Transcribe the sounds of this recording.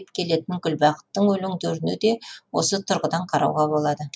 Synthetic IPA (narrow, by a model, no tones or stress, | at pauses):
pkʲʰe̞le̞t̪ɪŋɡʲʏlbɑqə̥t̪ːəɴwɵlɪŋd̪t̪ɵɾɪned̪e̞wo̞̰sət̪ʰʊɾʁəd̪ɑɴqʰɑɾʔɑ̰wʁɑbo̞lˠɑd̪ə